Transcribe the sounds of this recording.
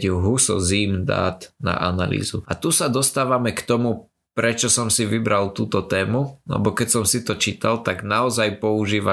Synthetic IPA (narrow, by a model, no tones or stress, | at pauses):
ɦusɔ̰ziːmd̪a̰ːd̪na̰ʔana̰lḭːzuat̪usad̪ɔst̪aːʋamɛkt̪ɔmu | pɾɛt͡ʃɔsɔmsiʋibɾalt̪uːt̪ɔt̪ɛːmulɛ̰bɔkɛcsɔmsit̪ɔt͡ʃiːt̪alt̪aɡnaɔzajpɔuʒiːʋa